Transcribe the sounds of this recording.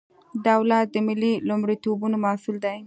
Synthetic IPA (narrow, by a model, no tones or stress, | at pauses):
d̪awlat̪̚d̪əmɪlilumɽit̪obunomɑsuld̪aj